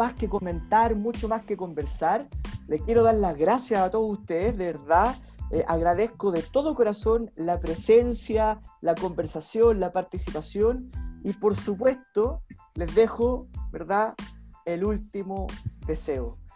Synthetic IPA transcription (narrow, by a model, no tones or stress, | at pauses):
ahkeko̞mẽ̞nt̪aɾmut͡ʃomaskeko̞mbeɾsaɾlekje̞ɾo̞ðaɾlaɣɾasjasat̪o̞ðosust̪eðezðe̞βeɾða | ʔaɣɾaðehkoðet̪o̞ðoko̞ɾaso̞nlapɾe̞sensjalako̞mbe̞ɾsasjo̞nlapaɾt̪isipasjonipo̞ɾsupwe̞st̪ole̞zðe̞xobeɾðaelult̪imoðe̞seo